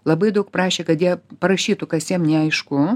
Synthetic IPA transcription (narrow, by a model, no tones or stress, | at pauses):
lˠɐbɐɪd̪ɐʊk̚prɑːʃʲeːkɐt̪jiɛpɐɾɐʃʲiːt̪ʊkɐsjiɛmnʲɛɐɪʃkʊ